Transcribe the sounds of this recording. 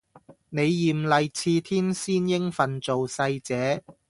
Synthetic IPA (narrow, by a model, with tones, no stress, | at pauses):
ne˨˧jːiː˨˩mlɐ˨jt͡sʰiː˧t̪ʰiː˥nsiː˥njɪ˥ŋfɐ˨nt͡so˨wsɐ˧jt͡sɛː˨˧˥